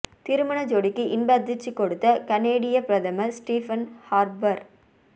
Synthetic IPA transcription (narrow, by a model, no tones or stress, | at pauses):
t̪ɪɾɯmɐɳɐd͡ʒoːɽɪkːɯʔɪnbɐd̪ɪt͡ʃːikːɔɽɯt̪ːɐkɐneːɽɪjɐpɪɾɐt̪ɐmɐsʈiːfɐnhaːɾbɐɾ